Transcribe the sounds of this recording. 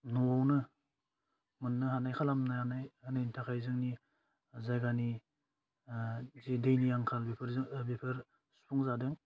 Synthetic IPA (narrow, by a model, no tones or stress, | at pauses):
nɔwawnɯ | mɯnːɯɦanajkʰalamnaanajanajntʰakʰajzɯŋni | zajɡani | zedejnijaŋkʰalbipʰɾbepʰɯɾ | su̥pʰuŋzadɯŋ